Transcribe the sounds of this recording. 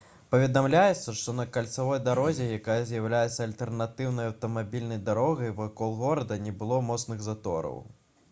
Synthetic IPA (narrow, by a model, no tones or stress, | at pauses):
pɐvʲɛd̪amlʲajɛt̪sːɐʂt̪ɔnɐkalʲt̪savɔjd̪aɾɔzʲɛjakajɐzʲjawlʲajɛt̪sːɐɐlʲt̪ɛrnat̪ɨwnɐjɐwt̪ɐmabʲilʲnɐjd̪aɾɔɣɐjvakɔlˠɣɔɾɐd̪ɐnʲɛbɨlˠɔmɔt̪snɨɣzat̪ɔ̰ɾɐ̰w